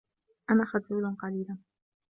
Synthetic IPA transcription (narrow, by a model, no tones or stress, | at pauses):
ʔanaːxad̪uːlanqɑliːlan